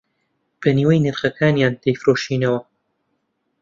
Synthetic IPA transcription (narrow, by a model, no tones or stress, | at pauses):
b̥ɐniːwɐjnɨɾχɐkʰaːnjaːnt̪ejfɾoːʃiːnɐwɐ